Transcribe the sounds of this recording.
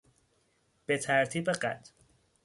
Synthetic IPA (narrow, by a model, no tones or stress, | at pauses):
b̥e̞t̪ʰæɾt̪ʰiːbeɢæ̰t̪ʰ